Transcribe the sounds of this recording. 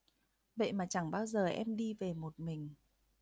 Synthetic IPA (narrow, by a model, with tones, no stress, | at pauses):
ɓḛ˧˨jmaː˨˩t͡ɕa˧˩ŋɓaː˧wzəː˨˩ʔɛ˧mɗi˧ve˨˩mo˨˩t̚mï˨˩ŋ̟